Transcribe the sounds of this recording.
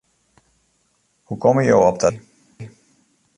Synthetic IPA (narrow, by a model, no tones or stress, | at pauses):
hukɔməɹjawɔp̚də